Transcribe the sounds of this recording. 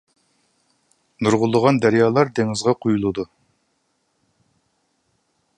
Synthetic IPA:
nuɾʁʊlˠːəʁɑnd̪æɾjɑːlˠɑɾd̪eŋɪzʁɑqʰujulˠɨd̪u

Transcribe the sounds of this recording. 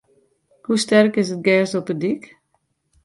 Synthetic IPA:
kustɛrkɪsət̚ɡɛːsɔpədik

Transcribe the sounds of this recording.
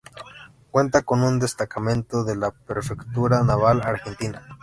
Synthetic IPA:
kwe̞nt̪akonund̪est̪akamẽ̞nt̪oðelapɾefekt̪uɾanaβalaɾxe̞nt̪ina

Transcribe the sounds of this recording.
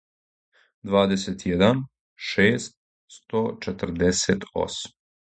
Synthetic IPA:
d̪ʋaːd̪eset̪jed̪an | ʃeːst̪̚ | st̪ot͡ʃet̪ər̩d̪eset̪o̰sm

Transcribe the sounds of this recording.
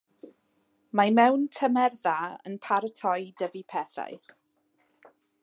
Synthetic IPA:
mamɛwntʰəmɛrðaə̰npʰaɾətʰɔjdəvipʰɛθa̰j

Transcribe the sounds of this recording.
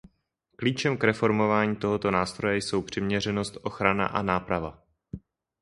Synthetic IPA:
kliːt͡ʃɛmkɾɛfo̞ɾmo̞vaːɲiːt̪o̞ɦo̞t̪o̞naːst̪ɾojɛjso̞wpr̝̥ɪmɲɛrɛno̞st̪ʔo̞xɾana̰ʔa̰naːpɾava

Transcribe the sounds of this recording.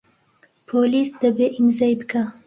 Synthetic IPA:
pʰolisd̪əbeʔimzajbka

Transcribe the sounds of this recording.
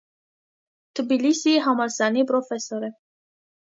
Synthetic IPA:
t̪ɨbilisiɦamalsanipɾofesoɾe

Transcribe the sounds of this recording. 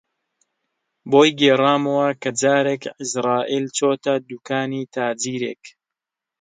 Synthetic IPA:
boːjɡeːrˤaːmɐwɐkɐd͡ʒaːɾeːkɪzɾɑːʔiːlt͡ʃoːt̪ɐd̪uːkaːniːt̪ʰaːd͡ʒiːɾeːk

